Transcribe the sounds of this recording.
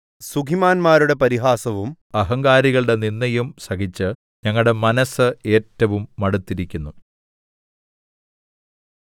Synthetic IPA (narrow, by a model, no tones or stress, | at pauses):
suɡʱimaːnmaːɾuɽe̞pɐɾiɦaːsɐʋum | ɐɦɐŋɡaːɾiɣɐɭɽe̞ninːɐjumsɐɡit͡ɕːɨ | ɲɐŋːɐɭɽemɐnɐsɨe̞ːtːɐʋumːɐɽut̪ːiɾikʲːunːu